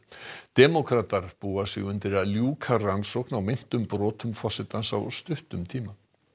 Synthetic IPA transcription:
t̪ɛmɔkʰɾaːt̪aɾ̥puːasɪ̰ɣʏnt̪ɪɾaljuːkʰaransɔknawmɪn̥t̪ʏmpɾɔːt̪ʏmfɔ̥sɪt̪ansa̰wst̪ʏht̪ʏmt̪ʰiːma

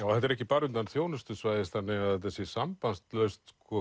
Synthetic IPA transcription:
jaːwθɛht̪ɛɾɛhcɪpaːɾʏnanθjoːwnʏst̪ʏsvajðɪst̪θanːɪɣaðθɛt̪̬asjɛsampanst̪lœɥst̪skʰɔ

